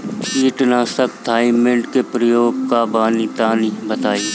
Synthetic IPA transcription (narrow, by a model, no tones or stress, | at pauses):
t͡ʃiːʈnaːsəkt̪ʰaːimẽɳʈkepɾəjoːɡ̚kabaːnit̪aːnibət̪aːiː